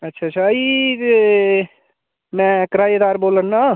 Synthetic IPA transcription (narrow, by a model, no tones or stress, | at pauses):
ətːʃʰaːt͡ʃʰai | mɛ̃ːkɾaːjəd̪aːɾboːlənːa